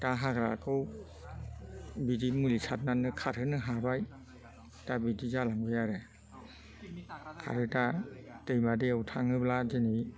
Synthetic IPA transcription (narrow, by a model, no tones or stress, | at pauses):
taɦaɡɾakɯw | bidimulisʰat̚nanɯkʰaɾɯnɯɦaɾaj | tabidizalaŋbɯjaɾɯ | kʰa̰ɾɯtatɯjmadeawtʰaŋɯblazini